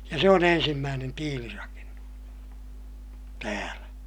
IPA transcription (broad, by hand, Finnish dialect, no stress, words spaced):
jɑ se on ensimːæːnen tiːlirɑkenːus tæːlæ